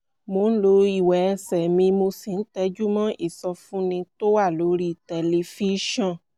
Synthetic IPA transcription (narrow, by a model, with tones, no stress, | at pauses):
mõ˨˦n̩˦lo˧˦i˨wɛ˨˧sɛ˨mĩ˧mo˧si˨n̩˦tɛ˧˦d͡ʒu˦mã˦ʔi˦˨sɔ˧fũ˦nĩ˧to˦wa˦˨lo˨˦ɾi˦˨tɛ˨le˨fi˦ʃɔ̃˦˨